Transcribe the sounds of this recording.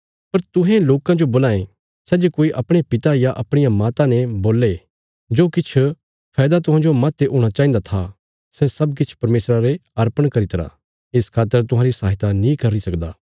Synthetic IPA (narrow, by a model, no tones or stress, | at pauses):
pɐɾt̪ʊɦɛ̃loːkãd͡ʒoboːlaːẽ | sɛːd͡ʒekoːiʔɐpɽ̃epɪt̪ajaʔɐpɽ̃ɪjamaːt̪ãneboːlːe | d͡ʒoːkɪt͡ʃʰ | pʰɛːd̪at̪ʊɦãːd͡ʒomaːt̪ːeʔoːɽ̃at͡ʃaːĩnd̪at̪ʰa | sɛsɐbk̬ɪt͡ʃʰpɐɾmeːsɾaɾeɐɾpəɽ̃kɐɾit̪ɾa̰ | ɪskʰaːt̪ːəɾt̪ʊɦãːɾisaːɦɪt̪anĩkɐɾisɐkd̪a̰ː